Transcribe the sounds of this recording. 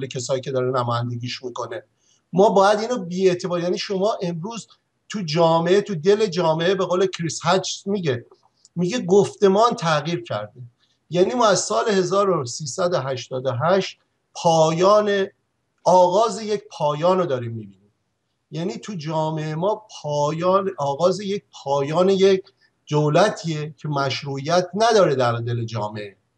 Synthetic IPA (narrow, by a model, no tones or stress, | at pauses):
lecʰesɒːjiːcʰe̞d̪ɒːɾenæmɔːjænd̪eɡiːʃmiːkone | mɒːbɒːjæd̪iːnobiːe̞t̪ʰe̞bɒːɾjæniʃo̞mɒːʔemɾuːz | t̪ʰud͡ʒɒːmeʔet̪ʰud̪e̞le̞d͡ʒɒːmeʔebe̞ɣoːlecʰɾishæd͡ʒsmiɟe | miɟeɡoft̪e̞mɒːnt̪ʰæɣiːɾcʰæ̰ɾd̪i | jæniːmɒːæzsɒːle̞he̞zɒːɾosiːsæd̪oɦæʃt̪ɒːd̪oɦæʃt̪̚ | pʰɒːjɒːne | ɒːɣɒːzeje̞cpʰɒːjɒːnod̪ɒːɾiːmːiːbiːnim | jæːniːt̪ʰud͡ʒɒːme̞ʔemɒːpʰɒːjːnɒːɣɒːzejec̚pʰɒːjɒːnejecʰ | d̪̥owlæt̪ʰiecʰemæʃɾuːʔijæt̪ʰnæd̪ɒːɾed̪æɾd̪e̞led͡ʒɒ̰ːmeʔe